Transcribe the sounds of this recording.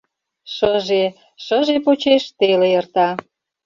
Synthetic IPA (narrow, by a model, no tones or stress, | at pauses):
ʃəʒe | ʃəʒepot͡ɕeʃt̪elejə̆rt̪ɑ